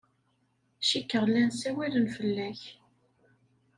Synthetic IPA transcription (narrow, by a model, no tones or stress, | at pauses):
ʃikːəʁlːænsæwælənfəlːæç